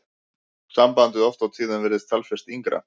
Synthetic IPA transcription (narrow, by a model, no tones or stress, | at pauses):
sampant̪ɪðɔft̪awt̪ʰiːðanvɛɾðɪst̪ʰalfɛst̪iŋkɾa̰